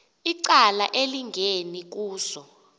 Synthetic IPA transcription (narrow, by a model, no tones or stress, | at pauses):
iǀalaʔeliŋɡʱenik̬uːsɔ